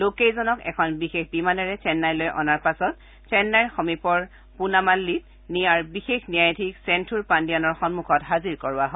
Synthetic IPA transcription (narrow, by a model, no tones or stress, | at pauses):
lokejzɔnɔkɛ̰kʰɔnbixexbimanɛɹɛsɛnːajlojʔɔ̰naɹpasɔt | sɛnːajɹxɔmipɔɹ | punamalːit̚ | nijaɹbixexnijajtʰiksɛntʰuɹpandijanɔɹxɔnmukʰɔtɦaziɹkɔɹʊaɦɔj